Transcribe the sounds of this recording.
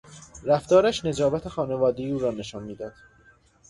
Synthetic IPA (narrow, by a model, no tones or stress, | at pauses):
ɾæft̪ɒːɾæʃne̞d͡ʒɒːbæt̪ʰe̞xɒːne̞vɒːd̪ejiuːɾɒːne̞ʃɒːnmiːd̪ɒːd̪̥